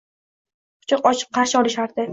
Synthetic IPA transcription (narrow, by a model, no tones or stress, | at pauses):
qʊ̥t͡ʃɑqɒt͡ʃʰɨ̥q̚qːɑɾʃɪɒlɪʃaɾd̪ɪ